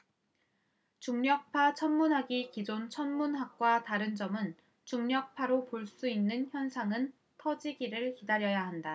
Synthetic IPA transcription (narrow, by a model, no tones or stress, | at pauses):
t͡ɕuŋɲjʌk̚pʰat͡ɕʰʌnmunɦaɡikid͡ʑont͡ɕʰʌnmunɦak̚k͈wataɾɯnd͡ʑʌmɯn | t͡ɕuŋɲʌk̚pʰaɾopoɭs͈uinːɯnçjʌnsʰaŋɯn | tʰʌd͡ʑiɡiɾɯɭkidaɾjʌjaɦanda